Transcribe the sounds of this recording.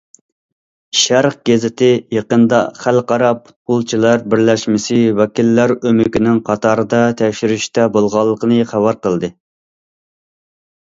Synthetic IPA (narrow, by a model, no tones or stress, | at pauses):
ʃæɾqɡʲɛzɪt̪ʰɪjeqənd̪ɑχælqɑɾɑpʰu̥t̪̚qʊlˠt͡ʃʰilˠɑɾbɪɾlɛʃmɪsɪwɛkʲilːæɾømykʲinɪŋqʰɑt̪ʰɑɾɨd̪ɑt̪ʰɛkʲʃyɾyʃt̪ɛbolˠʁɑlˠːəqənɨχæwɑɾqəlˠd̪ɨ